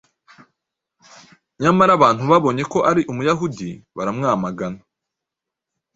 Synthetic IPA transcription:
ɲamaɾaβaːn̥huβaβo̞ɲe̞ko̞ʔaɾiʔumujaɦudiβaɾamŋaːmaɡana

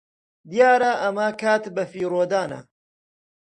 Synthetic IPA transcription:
d̪ijaːɾɐʔɐmɐkʰaːt̪bɐfiːɾoːd̪aːnɐ̰

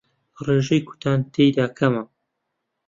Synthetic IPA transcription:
reːʒejku̥t̪ʰaːnt̪ʰejd̪aːkʰɐmɐ

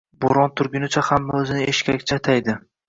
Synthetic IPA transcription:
boɾɒnt̪ʰʊɾɡʲʊnɪt͡ʃʰahamaɵzɪnɪeʃkʲakʲt͡ʃʰat̪ʰajd̪ɪ

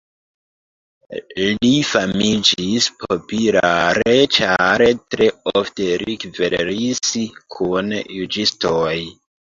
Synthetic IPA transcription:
lifamid͡ʒispʰopilaɾet͡ʃaɾetɾe̞ofte̞ɾikveɾiskʰunjud͡ʒistoj

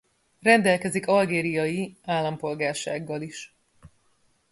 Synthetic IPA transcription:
rɛnd̪ɛlkɛzikɒlɡeːɾijɒjiaːlːɒmpo̞lɡaːrʃa̰ːɡːɒliʃ

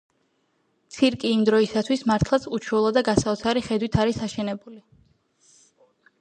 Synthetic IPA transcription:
t̪sʰiɾkʼiːmd̪ɾɔisat̪ʰwismaɾt̪ʰlˠat̪sʰut͡ʃʰwɛlˠad̪aɡasaɔt̪sʰaɾiχɛd̪wit̪ʰaɾisaʃɛnɛbuli

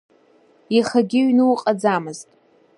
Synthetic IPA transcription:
iχaɡʲɪɥnɨwqʼad͡zamɨztʼ

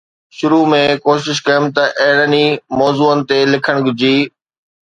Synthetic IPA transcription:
ʃʊɾumẽkoːʃɪʃkɐjəmt̪ɐʔeɦɪɽənimɔːzuːənɪ̆t̪elɪkʰəɽ̃ɡʊd͡ʑiː

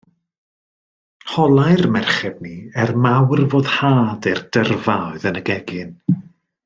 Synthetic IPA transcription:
hɔlˠajrmɛrχɛbniɛrmawrvoːðhaːdɛrdərvaɔɨðənəɡɛɡɪn

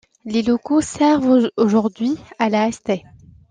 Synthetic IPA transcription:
lelɔkosɛʁvoʒuʁd̪ɥialaɛst̪ɛ

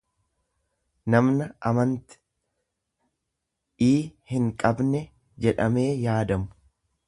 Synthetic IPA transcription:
nɐmnɐʔɐmɐnt̪ɪ̥ | iːhɪŋkʼɐbnɛ | d͡ʒɛᶑɐme̞ːjaːd̪ɐmʊ

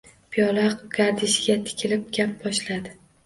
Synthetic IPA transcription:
pʰijɒlˠaqɡ̥aɾd̪ɪʃɡʲat̪ʰɪ̥kʲʰɪlɪp̚ɡʲap̚bɒʃlad̪ɪ

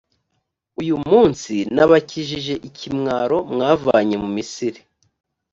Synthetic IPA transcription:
ujumuːnsinaβaciʒiʒe̞ʔicʰimŋaːɾo̞mŋaːva̰ɲe̞mumisiɾi

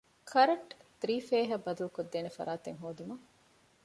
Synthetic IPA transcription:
kʰɐɾɐʈd̪ɾiːfeːɦɐbɐd̪ulukod̪ːeːnefɐ̰ɾaːt̪eŋɦoːd̪umɐŋ

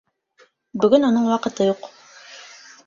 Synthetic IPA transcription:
bɵ̆ɡɵnonɤɴwɑqɤ̆t̪ɤjuq

